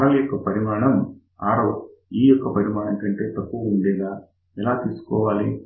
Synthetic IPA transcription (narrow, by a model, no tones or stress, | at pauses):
ɾɐlɐjɔkːɐpɐɾimaːɳɐm | aːɾoː | iːjɔkːɐpɐɾimaːɳɐmʈɐɳʈe̞ːt̪ɐpːuʋɐuɳɖɛːɡaː | ɛlaːt̪iːsu̥kɔːʋaːli